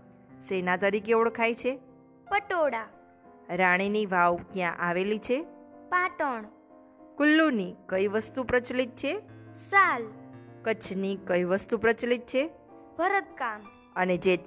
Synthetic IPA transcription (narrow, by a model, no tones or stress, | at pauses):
senat̪əɾikeoɭkʰajt͡ʃʰe | pəʈoɽa | ɾaɽ̃iniʋawkjãʔaʋelit͡ʃʰepaʈəɳ | kʊlːunikəjʋəst̪upɾət͡ʃlit̪̚t͡ʃʰesalkət͡ʃʰnikəjʋəst̪upɾət͡ʃlit̪̚t͡ʃʰe | bʱəɾət̪̚kam | əned͡ʒe